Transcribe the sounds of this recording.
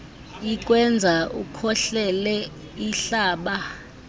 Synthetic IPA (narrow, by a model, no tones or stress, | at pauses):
ik̬ʼwɛnd͡zʱaukʰɔɬɛlɛ | iɬaːɓa